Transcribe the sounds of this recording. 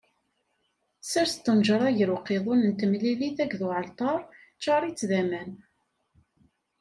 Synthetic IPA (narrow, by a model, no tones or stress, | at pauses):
sæɾst̪ːənʒəɾˤɑʝəɾwqeðˤʊnənt̪əmliliθækðuʕəlt̪ˤɑɾˤ | t͡ʃːɑɾˤit͡sːðæmæn